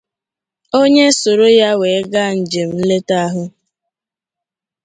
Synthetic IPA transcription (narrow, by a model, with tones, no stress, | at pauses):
o˦ɲe˦so˨ɾo˦ja˦we˨e˦ɡa˦˨n̩˨d͡ʒe˨m̩˨˦le˦ta˦a˦ɦʊ˦